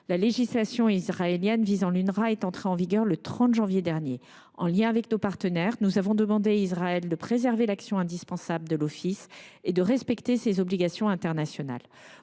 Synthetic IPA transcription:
laleʒislasjɔ̃izʁaeljɛnvizɑ̃lynʁaɛt̪ɑ̃t̪χeɑ̃viɡʲœʁlət̪χɑ̃t̪ʒɑ̃vjed̪ɛʁnje | ɑ̰̃ljɛ̃avɛknopaʁt̪ənɛʁnuzavɔ̃d̪əmɑ̃d̪eaizʁaɛld̪əpχezɛʁvelaksjɔ̃ɛ̃d̪ispɑ̃sabləd̪əlɔfised̪əʁɛspɛkt̪esezɔbliɡasjɔ̃ɛ̃t̪ɛʁnasjɔna̰l

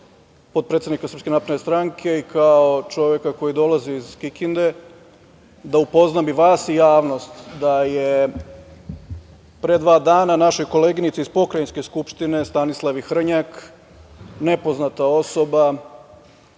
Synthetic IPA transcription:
po̞d̪̚pɾet̪ed̪nikasər̩pske̞naːpɾenest̪ɾaŋkʰe̞ikʰaot͡ʃo̞ʋje̞kako̞jid̪o̞laziːzkikind̪e̞ | d̪aupo̞znabiʋaːsijaːʋno̞st̪d̪aje | pɾed̪ʋaːd̪aːnanaʃojko̞leːɡinit̪seizpo̞kɾajinske̞skupʃt̪ine̞st̪anislˠaʋixr̩ɲak | ne̞po̞znat̪ao̞so̞ba

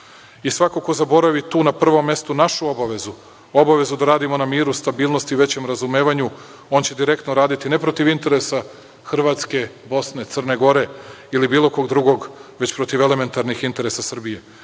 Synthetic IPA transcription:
isʋako̞ko̞zabo̞ɾaʋit̪uːnapr̩ʋo̞mːe̞st̪unaʃuobaʋe̞zu | o̞baʋe̞zud̪aɾaːd̪imo̞namiːɾust̪abiːlˠno̞st̪iʋe̞t͡ɕe̞mɾazumeːʋaɲu | o̞nt͡ɕe̞d̪iɾe̞kt̪noɾaːd̪it̪ine̞pɾo̞t̪iʋint̪e̞ɾesa | xr̩ʋaːt̪ske̞bo̞sne̞t̪sər̩ne̞ɡo̞ɾe̞ilibiːlˠo̞ko̞ɡd̪ɾuɡo̞ɡʋe̞t͡ɕpɾo̞t̪iʋe̞le̞me̞nt̪aɾnixint̪e̞ɾe̞sasr̩bije̞

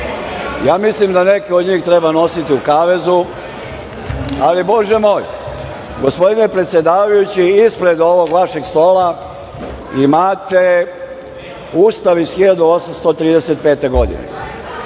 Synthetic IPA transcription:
jaːmislimd̪ane̞keo̞d̪ɲiːxt̪ɾe̞bano̞sit̪iukaʋe̞zu | alibo̞ʒemo̞ːj | ɡospo̞d̪ine̞pɾet̪sje̞d̪aːʋajut͡ɕiispɾe̞d̪o̞ʋo̞ɡʋaʃe̞ɡst̪o̞ːla | imaːt̪e | uːst̪aʋisxiʎad̪uo̞samst̪ot̪ɾiːd̪eset̪̚pe̞ːt̪e̞ɡo̞d̪ḭnḛ

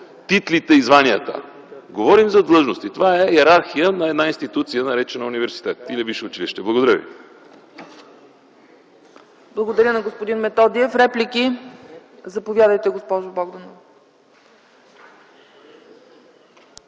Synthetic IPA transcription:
t̪it̪lit̪ɛizvaniət̪ə̰ | ɡovɔɾimzɐd̪lˠɤʒnost̪it̪ovaɛjɛɾaɾxijənɐɛd̪nainst̪it̪ut̪sijənɐɾɛt͡ʃɛnəunivɛɾsi̥t̪ɛt̪ilɛbiʃɛʊt͡ʃiliʃt̪ɛblˠəɡod̪ɐɾʲjəvḭ | blˠɐɡod̪ɐɾʲənɐɡospod̪inmɛt̪ɔd̪iɛfɾɛplʲiki | zɐpovjad̪əjt̪ɛɡospɔʒʊbɔɡd̪ono

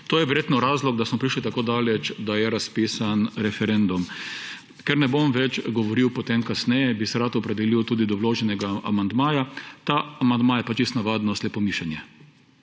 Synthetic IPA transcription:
t̪oːjɛʋɛɾjeːt̪nɔɾaːzlɔɡd̪asmɔpɾiʃlit̪akoːd̪aːlɛt͡ʃd̪ajɛɾaspiːsanɾɛfɛɾɛnd̪um | kɛɾnɛbomʋɛt͡ʃɡɔʋɔɾiwpɔt̪emkasnɛjɛbisɛɾat̪ɔpɾɛd̪ɛliwt̪uːd̪id̪ɔwloːʒɛnɛɡaa̰mand̪maːjat̪aamand̪majɛpat͡ʃist̪naʋaːd̪nɔslɛpɔmiʃanjɛ

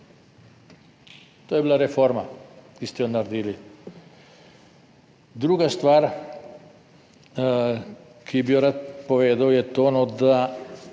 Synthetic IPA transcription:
t̪oːjɛbilaɾɛfoɾmakist̪ɛjonaɾd̪iːli | d̪ɾuːɡast̪ʋaɾ | kʰibijoɾat̪̚pɔʋeːd̪awjɛt̪oːnɔd̪a

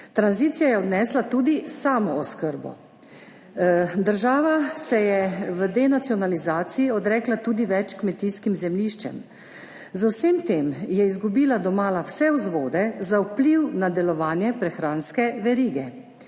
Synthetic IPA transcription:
t̪ɾanziːt̪sijajɛɔd̪nɛːslat̪uːd̪isaːmɔɔskəɾbɔ̰ | d̪əɾʒaːʋasɛjɛʋəd̪ɛnat̪siɔnalizaːt̪siiɔd̪ɾɛːklat̪uːd̪iʋɛt͡ʃkmɛt̪iːskimzɛmliːʃt͡ʃɛ̰m | zawsemt̪eːmjɛizɡubiːlad̪ɔmaːlawsɛwzʋoːd̪ɛzawpliwnad̪ɛlɔʋaːnjɛpɾɛxɾaːnskɛʋɛɾiːɡɛ

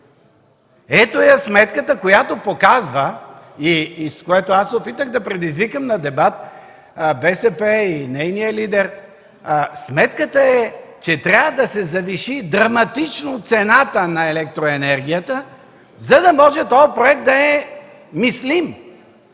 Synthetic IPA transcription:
ɛt̪ojəsmɛt̪kət̪əkojat̪opokazvə | iskojɛt̪oasɛopit̪əɣd̪ɐpɾɛd̪izvikəmnɐd̪ɛbat̪̚ | bɛsɛpɛinɛjnijəlid̪ɛɾ | smɛt̪kət̪əɛt͡ʃɛt̪ɾʲavəd̪ɐsɛzɐviʃid̪ɾɐmɐt̪it͡ʃnot̪sɛnat̪ənɐɛlɛk̚t̪ɾoɛnɛɾɡ̟ʲijət̪ə | zɐd̪ɐmɔʒɛt̪ɔjɐpɾoɛk̚t̪d̪ɐɛ | mislim

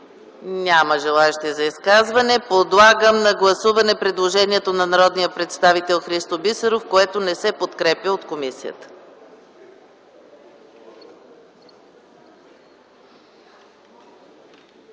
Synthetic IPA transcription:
nʲaməʒɛlˠaɛʃt̪ɛzɐiskazvɐnɛpod̪lˠaɡəmnɐɡlˠɐsuvɐnɛpɾɛd̪lˠoʒɛniɛt̪onɐnɐɾɔd̪nijəpɾɛt̪st̪avit̪ɛlˠxɾist̪obisəɾofkoɛt̪onɛsɛpot̪kɾɛpjəot̪komisiə̰t̪ə̥

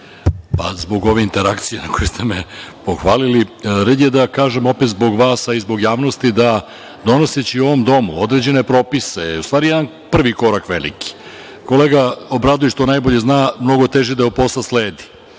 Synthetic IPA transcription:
pa̰zbo̞ɡo̞ʋeint̪e̞ɾakt̪sijenakʰojust̪e̞mepo̞xʋaːliliɾed̪jed̪akaːʒe̞mo̞pet̪zbo̞ɡʋaːsaizbo̞ɡjaːʋno̞st̪id̪a | d̪o̞no̞set͡ɕiuoʋo̞md̪o̞muo̞d̪ɾe̞d͡ʑe̞ne̞pɾo̞piseust̪ʋaːɾijɛd̪an | pr̩ʋiko̞ɾakʋe̞lḭki̥ | ko̞leːɡaobɾad̪ujeʃt̪o̞najbo̞ʎe̞znaːmno̞ɡo̞t̪e̞ʒid̪aopo̞slasleːd̪i̥

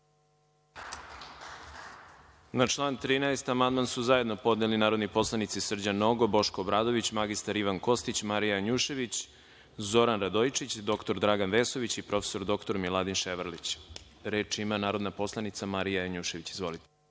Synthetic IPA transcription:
nat͡ʃlˠaːnt̪ɾiːnaest̪amand̪mansuzajed̪no̞po̞d̪nelinaːɾo̞d̪nipo̞slˠanit̪sisr̩d͡ʑanoɡo̞bo̞ʃkoːbɾaːd̪o̞ʋit͡ɕmaɡist̪aɾiʋanko̞st̪it͡ɕmaɾijaɲuʃe̞ʋit͡ɕ | zo̞ɾanɾad̪ojt͡ʃit͡ɕd̪o̞kt̪o̞ɾd̪ɾaɡanʋe̞so̞ʋit͡ɕipɾofeso̞ɾd̪o̞kt̪o̞ɾmilˠad̪inʃeʋaɾlit͡ɕ | ɾe̞ːt͡ʃimanaːɾod̪napo̞slˠanit̪samaɾijaaɲuʃe̞ʋit͡ɕizʋo̞lit̪e

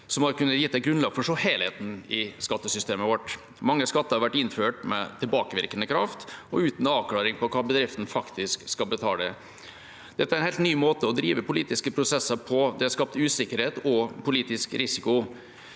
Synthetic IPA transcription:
sɔmhɑɾkʉnːət̪jɪt̪ːɛt̪ɡɾʉnlɑːɡ̥fɔʂoːheɪlheːt̪n̩ɪskɑt̪ːəsʏst̪eːməʋɔʈː | mɑŋːəskɑt̪ːəɾhɑɾʋæʈːɪnføːʈmɛ̰t̪ʰɪlbɑːkəʋɪɾkənəkʰɾɑft̪ɔʉːt̪n̩ɑːʋklɑːɾɪŋpɔkʰɑːbəd̪ɾɪft̪n̩fɑkt̪ʰɪskskɑlbət̪ʰɑ̰ːd̪ɛ | d̪̥ɛt̪ːəæɾæɛnhelt̪nyːmoːt̪əɔd̪ɾiːʋəpʊliːt̪ɪskəpʰɾʊsɛsːəɾpʰɔd̪ɛæɾskɑp̚t̪ʉːsɪkːəɾheːt̪ɔpʰʊliːt̪ɪskɾɪsɪkʊ

